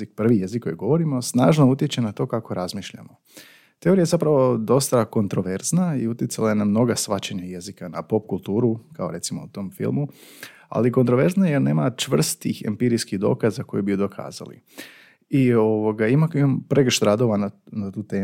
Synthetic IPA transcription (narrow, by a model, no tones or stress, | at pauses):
ik̚pr̩ʋije̞zikːo̞jiɡo̞ʋo̞ɾimo̞snaːʒnout̪jet͡ɕenat̪o̞ːkako̞ɾʔazmiːʃʎa̰mo | t̪e̞o̞ɾiajezapɾaʋo̞d̪o̞st̪ako̞nt̪ɾo̞ʋe̞ɾznaiut̪jɪt̪salˠajenamno̞ɡasʋat͡ɕeɲaje̞zikanapo̞p̚kulˠt̪uːɾukao̞̰ɾe̞t̪simo̞̰ut̪o̞mfḭlˠmu | a̰liko̞nt̪ɾoʋe̞ɾznajeɾneːmat͡ʃʋr̩st̪t̪ixḛmpiɾiskihd̪o̞̰kazako̞̰jibijud̪o̞kʰa̰ːza̰lḭ | ioʋoɡaimakiampɾeɡʃt̪ɾad̪oʋananat̪uːt̪eː